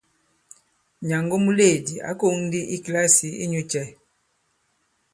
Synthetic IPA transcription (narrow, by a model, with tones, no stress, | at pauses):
ɲa˨ŋɡo˦mu˦le˦˨di˨a̰˨˦ko˦ŋ˦di˦ʔi˦kla˦si˨ḭ˦ɲu˦t͡ʃɛ˦